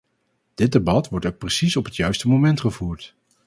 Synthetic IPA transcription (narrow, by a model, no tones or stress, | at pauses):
d̥ɪt̚debɑtʋɔɹtowk̚prəsisɔpɦətjœɥstəmomɛntχəvuːɹt